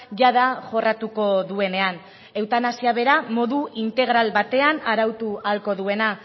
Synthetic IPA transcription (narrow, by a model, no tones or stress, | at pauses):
ʝaðaʝo̞rat̪uko̞ðue̞ne̞an | e̞wt̪anasiaβ̞e̞ɾamo̞ðuint̪e̞ɣ̞ɾalβat̪e̞anaɾawt̪ualko̞ðue̞na